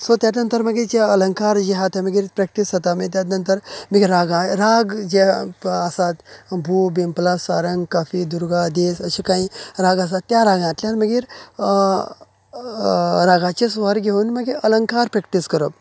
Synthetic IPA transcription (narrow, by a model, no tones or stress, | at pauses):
sot̪jat̪nənt̪əɾməɡid͡ʑeələŋkaɾd͡ʑiɦat̪jaməɡiːɾpɾɛk̚ʈisɦət̪amət̪janənt̪əɾməɡeɾaɡãɾaɡd͡ʑeəsat̪bʱubimplasaɾəŋɡkafid̪uɾɡad̪esəɕikaĩɾaɡəs̬at̪ːjaɾaɡãt̪lʲjanməɡiːɾ | ɾaɡãt͡ɕesʋəɾɡʱeunməɡeələŋkaɾpɾɛk̚ʈiskəɾəb